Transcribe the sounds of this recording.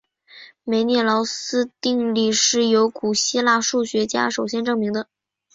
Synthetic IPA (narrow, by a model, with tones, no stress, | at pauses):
me˧˩ɪnjɛ˥˩lɑ˧˥ʊsɹ̩˥t̪i˥˧ŋli˥˩ʂɻ̩˥˩jo˧˥ʊku˨˩ɕi˥la˥˧ʂu˥˩ɕɥɛ˧˥t͡ɕja̰˥ʂo˨˩ʊɕjɛ˥nʈ͡ʂɤ˥˩ŋmi˧˥ŋd̪ə˧